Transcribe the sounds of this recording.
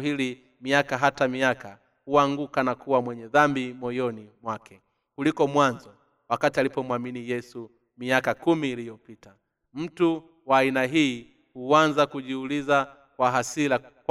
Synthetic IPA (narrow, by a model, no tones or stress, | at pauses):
ɦili | miakaɦatamiaka | huaŋɡukanakuwamwɛɲɛðambimɔjɔnimwakɛ | kulikɔmwanzɔ | wakatialipɔmwaminijɛsu | miakakumiːlijɔpita | m̩tu | waːinaɦiː | huanzakuʄiuliza | kwaɦasilak